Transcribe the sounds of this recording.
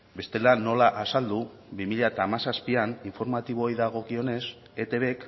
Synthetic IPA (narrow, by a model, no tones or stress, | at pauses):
be̞st̪e̞lano̞laʔasald̪u | bimiʎat̪aːmasaspianiɱfo̞ɾmat̪iβ̞oajðaɣ̞o̞kio̞ne̞s | e̞t̪e̞βe̞k